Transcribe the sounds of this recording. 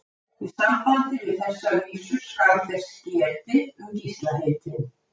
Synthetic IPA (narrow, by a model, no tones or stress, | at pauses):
θvɪðsampant̪ɪvɪð̥θɛsːaviːsʏ̥skaθɛsːcɛːt̪ɪʏmcist̪laɦejt̪ɪn